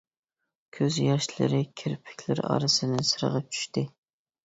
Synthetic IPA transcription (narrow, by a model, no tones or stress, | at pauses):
kʲʰøzjɑʃlˠɨ̰ɾɪkʲʰɪɾpʰɪ̥kʲʰlɪ̰ɾɑ̰ɾɨsɨnɪsɨɾə̰ʁəp̚t͡ʃʰy̥ʃt̪ɪ